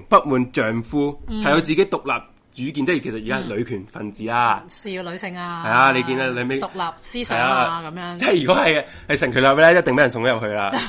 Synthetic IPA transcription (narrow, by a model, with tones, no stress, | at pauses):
pɐ˥t̚muː˨nt͡ʃœː˨ŋfuː˥hɐ˨jɐ˨˧wt͡siː˨ke˨˥jt̪ʊ˨k̚laː˨p̚ | t͡ʃyː˨˥kiː˧nt͡sɛː˥jkʰe˨˩sɐ˨t̚iː˨kaː˥lɵ˨˧ɥkʰyː˨˩nfɐ˨˩nt͡siː˨aː˧lɥsɪ˨˧ŋaː˧hɐ˨jaː˧le˧jkiː˧naː˧le˨˧me˥˨klaː˨˩p̚si˥shɐ˨jlaː˧kɐ˨˦mː˨˧t͡sɛ˥˨jyː˨kɔː˨˥hɐ˨j | hɐ˨jsɛ˨˩ŋkʰlaː˨˩p̚lɛː˥jɐt̚t̪ɪ˨ŋme˨˥jɐ˨˩sʊ˨ŋho˧˥jɐ˨p̚hɵ˧jlaː˧